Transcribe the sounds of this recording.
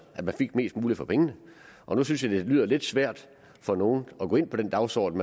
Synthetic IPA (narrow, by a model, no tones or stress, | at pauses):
ʔæd̥mænfe̝ɡ̥me̝̰ːsd̥muːlifɒ̽pʰeŋənə | ʔɒ̽nusynsjɑ̈ɪd̥e̝lyːð̰ˠɐle̝d̥sʋæɐ̰d̥ | fɒ̽no̝ːn̩ɒɡ̥o̰ːe̝n̰pʰɒ̽d̥end̥ɑ̈ʊsɒ̰ːd̥n̩m